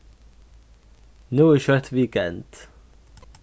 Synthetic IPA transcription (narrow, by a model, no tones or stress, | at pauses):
nuːɪʃɔɹt̪ʰwiːkɛ̰̃nd̥